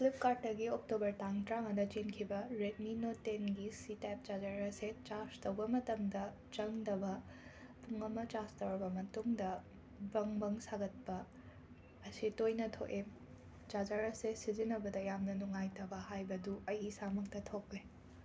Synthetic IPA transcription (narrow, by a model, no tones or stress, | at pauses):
klip̚kaɾʈ̚ːɐɡiok̚tobɐɾtaŋtɾaŋɐnɐt͡ʃenkʰibɐɾet̚minotenɡisitep̚d͡ʒad͡ʒaɾɐset͡ʃaɾstɐwbɐmɐtɐmdɐ | t͡ʃɐŋdɐbɐ | puŋɐmɐt͡ʃastɐwɾɐbɐmɐtuŋdɐ | bɐŋbɐŋsaɡɐt̚pɐː | sitojnɐtʰo̰ʔe | d͡ʒad͡ʒaɾɐsesizinɐbɐdɐjamnɐnuŋajtɐbɐhajbɐduɐjisamɐk̚tɐtʰokːe